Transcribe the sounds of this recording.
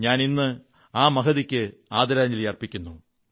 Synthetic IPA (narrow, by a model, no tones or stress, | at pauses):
ɲaːninːɨ | aːmɐkɐðikʲːɨaːd̪ɐɾaːɲːilijɐrpikʲːunːu